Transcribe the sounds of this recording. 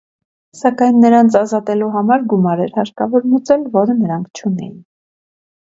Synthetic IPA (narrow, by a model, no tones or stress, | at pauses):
sɑkɑjnːəɾɑnt͡sʰɑzɑt̪ɛluɦɑmɑɾɡumɑɾɛɾhɑɾkɑvɔɾmut͡sɛlvɔɾənəɾɑŋkʰt͡ʃʰunɛ̰jin